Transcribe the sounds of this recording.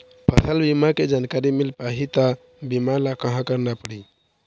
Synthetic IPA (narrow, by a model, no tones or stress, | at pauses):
pʰət̪ʰəlbimaked͡ʒankaɾimilpaɦit̪ə | bimalakəɦãkəɾnapəɽi